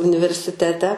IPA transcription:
ʊnʲɪʋʲɛrʲsʲɪˈtʲæːtʲɛ

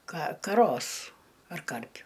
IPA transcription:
kɐ kɐˈroːs ɐr ˈkɐrʲpʲʊ

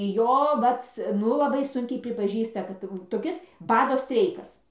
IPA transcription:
ˈjoː ˈʋɐt ˈnʊ lˠɐˈbɐɪ ˈsʊŋʲkʲɛɪ pʲrʲɪpɐˈʒʲiːstɐ ˈkɐt tɐɪ jɛʊ toːˈkʲɪs ˈbɑːdoː ˈsʲtʲrʲɛɪkɐs

